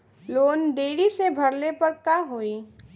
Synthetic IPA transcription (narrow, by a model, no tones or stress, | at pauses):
loːnɖ̪eːɽisebʱɐɾlepɐɾkaɦoːi